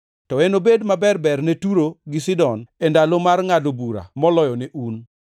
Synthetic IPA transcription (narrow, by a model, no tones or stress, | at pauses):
tɔɛnobedmabɛrbɛrnetuɾoɡɪsɪdɔnɛndalomarŋadobuɾa̰mɔlɔjɔnɪʔun